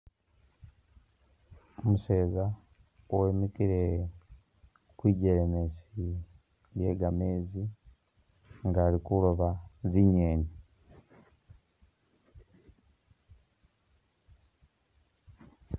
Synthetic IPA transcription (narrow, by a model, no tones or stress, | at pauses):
omuseːza | oemikiɾe | kwiːɟeɾemesi | ɾjeːɡameːzi | ŋɡaːɾikuloβaziɲeːni